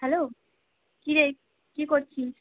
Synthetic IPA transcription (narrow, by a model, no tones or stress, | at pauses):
ɦɛloː | kiɾe | kikoɾt͡ɕʰi